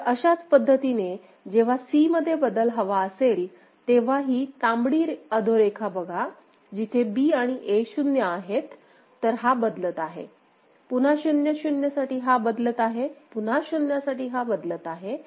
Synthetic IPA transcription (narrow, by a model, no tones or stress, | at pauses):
əɕat͡spəd̪ʱːət̪ine | d͡ʑeʋ̤asiməd̪ʱːjebəd̪əlɦəʋaəsel | t̪eʋ̤aɦiːt̪ãmbɽiːɾəd̪ʱoɾekʰabəɡʱa | d͡ʑit̪ʰebiːaɽ̃iʔeɕunjəaɦet̪ː | əɾɦabəd̪lət̪aɦḛ | pun̤aɕunjəɕunjəsaʈiːɦabəd̪lət̪aɦepun̤aɕunjasaʈiːɦabəd̪lət̪aɦe